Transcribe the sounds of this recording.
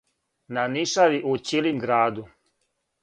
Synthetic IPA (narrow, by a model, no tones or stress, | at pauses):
naniʃaʋiʔut͡ɕilimɡɾaːd̪u